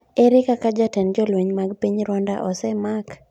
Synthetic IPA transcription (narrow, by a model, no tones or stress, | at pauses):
eɾɪkakad͡ʒatɛnd͡ʒɔlweɲmaɡpiɲɾɔnda̰ʔɔsɛmak